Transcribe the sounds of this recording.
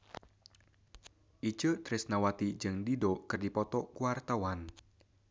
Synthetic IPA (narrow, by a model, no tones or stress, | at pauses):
ʔit͡ʃət̪ɾɪsnawat̪id͡ʒɨŋdidokɨrdipɔt̪ɔkuart̪awan